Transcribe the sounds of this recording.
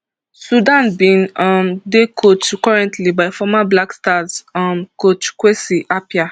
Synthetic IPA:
sudãnbĩnɔmdekʰotkɔɹɛ̃ntʰlibaɪfɔmablakstasɔmkotkwesiʔapja

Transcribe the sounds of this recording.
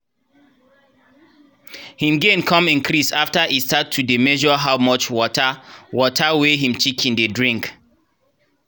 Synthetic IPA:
hĩmɡẽnkʰɔ̃mĩnkʰɹisaftaʔistatʰːudemɛʒɔɦaʊmɔt͡ʃwɔtəwɔtʰaweɦĩmt͡ʃikʰĩndedɹĩŋk

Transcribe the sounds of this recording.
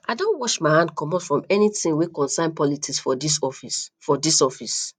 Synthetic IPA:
ʔadõnwɔʃmaɪhãnd̚kɔ̃mɔtfɹɔ̃mɛnitĩnwekɔ̃nsãnpɔlitiksfɔdisɔfisfɔdisɔfis

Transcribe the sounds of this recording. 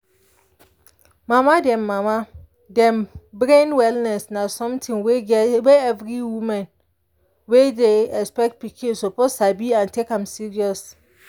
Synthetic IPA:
mamadɛ̃mːama | dɛ̃mbɹẽnwɛlnɛsnasɔ̃mtʰĩnweweɛvɹiwũmãn | wedeɛkspɛk̚t̚pikĩsɔposabiãntʰekãmsiɹiɔs

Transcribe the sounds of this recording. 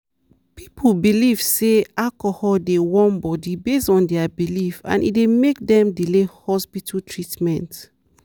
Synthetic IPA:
pi̥pʰolbiliv̥seakɔhɔdewɔ̃nbɔdibestɔ̃ndɛabilifã̰nʔḭdemek̚dɛ̃mdilehɔspitʰaltʰɹitmɛ̃nt

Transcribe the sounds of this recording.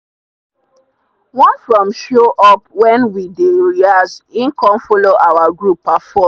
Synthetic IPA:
wɔ̃nffɹɔ̃mʃoʔɔp̚wɛ̃nwideɹiasĩnkɔ̃mfɔloʔawaɡɹupːafɔ

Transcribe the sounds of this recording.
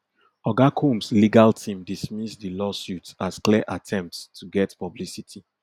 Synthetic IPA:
ɔɡakʰũmsliɡaltʰĩmdismisdilɔsjutsaskliəʔatʰɛ̃mp̚tstʰuɡɛtpɔblisitʰi

